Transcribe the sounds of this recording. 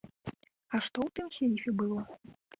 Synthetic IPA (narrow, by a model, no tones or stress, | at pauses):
ɐʂt̪ɔwt̪ɨmsʲejifʲɛbɨlˠɔ